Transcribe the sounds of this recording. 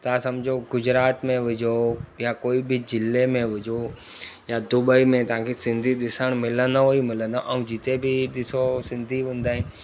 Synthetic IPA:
t̪asɐmd͡ʑʱoɡʊd͡ʑɾaːt̪mẽʋɪd͡ʑʱojakoːibɪd͡ʑɪlemẽʋɪd͡ʑʱo | jad̪ʊɓəimẽt̪ɐʋ̤ãkʰesɪ̃nd̪ʱiɗɪsəɽ̃mɪlə̃nd̪oɦoimɪlə̃nd̪oʔɐ̃ũd͡ʑɪt̪ebʱɪɗɪsosɪ̃nd̪ʱiʋʊ̃ːn̆d̪aːɦɪ̃n

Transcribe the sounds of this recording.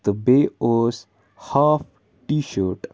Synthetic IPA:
d̪əbeːoz | haːf | ʈiːʃəːɾʈ

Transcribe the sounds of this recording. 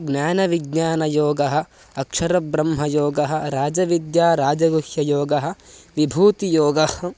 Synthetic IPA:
ɡnʲaːnɐʋiɡɲaːnɐjoːɡɐɦɐ̆ | ɐkʂɐɾɐbɾɐmɦɐjoːɡɐɦɐ̆ɾaːd͡ʒɐʋid̪jaːɾaːd͡ʒɐɡuhjɐjoːɡɐɦɐ̆ʋibʱuːt̪ijoːɡɐh

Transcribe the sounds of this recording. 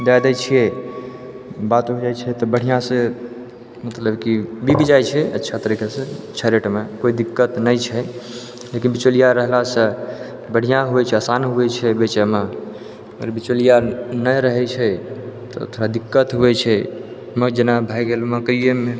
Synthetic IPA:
d̪ajd̪at͡ʃʰijɛ | bat̪bod͡ʒajt͡ʃʰɛt̪ɔbəɽ̤ijãsẽ | mət̪ləbkibibid͡ʒajt͡ʃʰɛə̰tːʃʰat̪əɾikasẽt͡ʃʰaɾeʈmekoid̪ikːət̪nəjt͡ʃʰɛ | lekinbit͡ʃolijaɾəɦlasə̃ | bəɽ̤ijãɦuɛt͡ʃʰɛasanɦuɛt͡ʃʰɛbet͡ʃɛme | əɡə̰ɾbit͡ʃolijanəjɾəɦɛt͡ʃʰɛt̪ɔ̰ə̰t̪ʰɾad̪ikːət̪ɦuɛt͡ʃʰɛ | məd͡ʒenabʱajɡelməkɾijəme

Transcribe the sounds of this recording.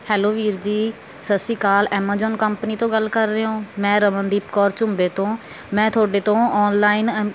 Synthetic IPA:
hɛːloːʋiːɾd͡ʒiː | səsiːkaːlɛːmaːzɔːnkəmpniːt̪õːɡəlkəɾːeːɦõːmɛ̃ːɾəmənd̪iːpkɔːɾt͡ʃʊmbeːt̪õː | mɛ̃ːt̪ʰʊoːɖeːt̪õːɔːnlaːin

